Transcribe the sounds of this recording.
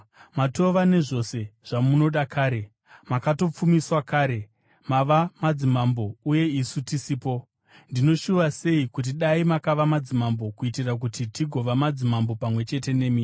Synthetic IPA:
mato̞ʋane̞ʐo̞se̞ʐ̥amuno̞ɗakʰaːɾe̞ | makato̞p͡fumiswakaːɾe̞ | maʋamad͡zimambo̞uje̞isutisiːpo̞ | ndino̞ʃuʋase̞ikut̬iɗaimakaʋamad͡zimambo̞kuitirak̬utitiɡʱo̞ʋamad͡zimambopamwe̞t͡ʃe̞te̞ne̞miː

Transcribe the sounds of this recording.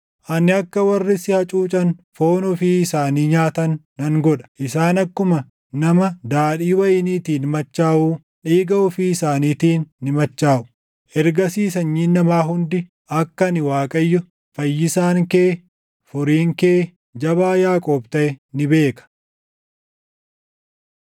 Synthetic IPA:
ʔɐnɪɐkːɐwɐrːɪsɪhɐt͡ʃʼuːt͡ʃʼɐnfo̞ːnʊfiɪsaːniːɲaːt̪ɐnːɐŋɡɔᶑɐ̥ʔɪsaːnɐkːʊmɐ | nɐmɐd̪aːᶑiːwɐjɪniːt̪iːnmɐt͡ʃːaːʔuː | ᶑiːɡɐʊfiːɪsaːniːt̪iːnːɪmɐt͡ʃːaːʔʊ̥ | ʔɛɾɡɐsiːsɐɲːiːnːɐmaːɦʊnd̪ɪ | ɐkːɐnɪwaːkʼɐjːʊ | fɐjːɪsaːŋkeː | fʊɾiːŋke̞ː | d͡ʒɐβaːjaːkʼoːbt̪ɐʔɛnɪbeːkɐ̥

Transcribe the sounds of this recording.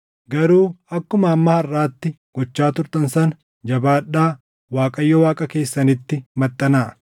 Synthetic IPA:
ɡɐɾuːɐkːʊmɐːmːɐhɐrːaːt̪ːɪ | ɡ̥ɔt͡ʃːaːt̪ʊɾt̪ɐnsɐn | d͡ʒɐbaːᶑːaː | waːkʼɐjːɔwaːkʼɐke̞ːsːɐnɪt̪ːɪmɐt̪ʼːɐnaːʔ

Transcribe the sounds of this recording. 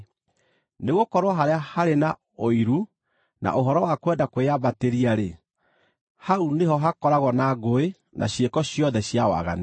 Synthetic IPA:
neɣokɔɾwaɦaɾeahaɾena | oiɾu | na̰ʔoɦɔɾɔwakwɛndakweaβateɾiaɾe | hauneɦɔɦakɔɾaɣɔnaɡoe | nʔa̰ɕjekɔɕjɔðɛɕjawa̰ɣa̰ne

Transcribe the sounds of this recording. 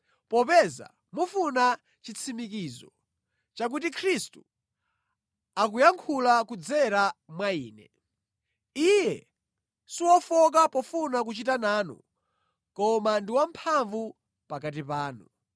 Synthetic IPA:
pɔpɛza̰ | mufuna | t͡ʃit͡sʰimikiːzɔ | t͡ʃak̬ut̬ikʰɾistu | akujaŋkʰulakud͡zɛɾamwaiːnɛ̰ | ijɛ | siwɔfɔk̬apɔfunak̬ut͡ʃitanaːnṵ | kɔmandiwam̩pʰaɱvu | pakat̬ipaːnṵ

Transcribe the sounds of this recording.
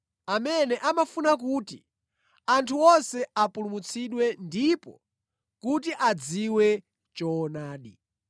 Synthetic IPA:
amɛnɛʔamafunak̬uːti | antʰuɔsɛapulumut͡sʰiɗwɛndipɔ̰ | kutiʔad͡ziwɛ | t͡ʃɔːnaːɗi

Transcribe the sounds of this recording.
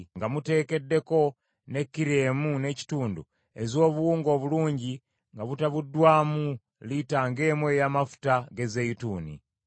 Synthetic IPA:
ŋɡamute̞ːke̞dːe̞ko̞ | ne̞kːiɾeːmune̞ci̥tuːndṵ | e̞zo̞ːβuwuːŋɡo̞ːβuluːɲɟi | ŋɡaβutaβudːwaːmu | litaːŋɡe̞ːmwe̞ːjamafu̥taɡe̞zejituːnḭ

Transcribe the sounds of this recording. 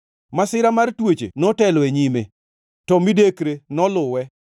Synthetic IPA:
masɪɾamartwot͡ʃḛnɔtɛlɔeɲime | tɔmidekɾenɔlʊwɛ

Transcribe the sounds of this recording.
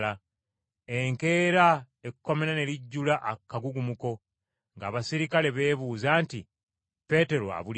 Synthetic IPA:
la | eŋke̞ːɾa | ekuko̞me̞ɾane̞liɟːulaʔakːaɡuɡumuko̞ | ŋɡaːβasiɾikale̞βe̞ːβuːzaːnti | pe̞ːte̞ɾo̞a̰βul

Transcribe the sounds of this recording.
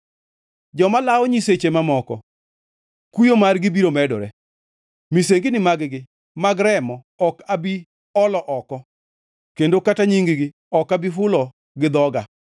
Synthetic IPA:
d͡ʒɔmalaɔɲiset͡ʃemamɔkɔ̰ | kujomarɡɪbiɾomɛdɔ̰ɾɛ | miseŋɡɪnɪmaɡɡɪ | maɡɾɛmɔ | ɔkabi | ɔlɔʔɔkɔ | kendokataɲiŋɡɪɡɪ | ɔkabifʊlɔ | ɡɪd̪ɔɡa

